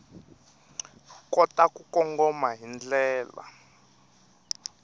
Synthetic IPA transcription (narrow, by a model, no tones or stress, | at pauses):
kɔtakukɔŋɡɔmaɦind͡ɮɛːla̰